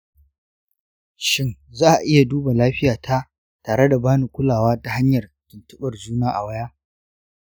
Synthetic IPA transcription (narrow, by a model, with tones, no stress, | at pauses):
ʃɪ˦nzaː˦ʔa˨ʔɪ˦ja˨duː˦ba˨laː˦ɸɪ˦jaː˨tʰa˦ | taː˨ɽe˦da˨baː˦ni˨kʷʊ˦laː˨waː˦ta˨ha˦ɲjɐ˨rkɪ˨ntʊ˦ɓɐ˨rd͡ʒuː˦naː˦ʔa˨wɐ˦jaː˦